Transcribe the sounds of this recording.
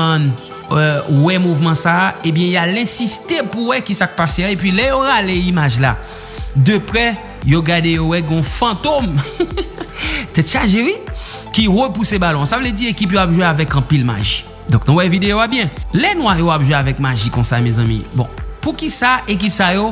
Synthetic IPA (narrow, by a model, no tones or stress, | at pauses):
n | wɛmuvmɑ̃saebjɛ̃jalɛ̃sist̪epuwɛkisak̚paseaepɥilɛjoɣaleimaʒla̰ | d̪əpʁɛ | joɡad̪ejowɛɡɔ̃fɑ̃t̪om | t̪ɛʃaʒewi | kiʁəpusebalɔ̃savlɛd͡ziekipjoapʒweavɛkɑ̃pilma̰ʒi | d̪ɔ̃knũwɛvid̪eoabjɛ̃lɛnwajoapʒweavɛk̚maʒikɔ̃samɛzɑ̃mḭbɔ̰̃pukisaʔek̬ipsajo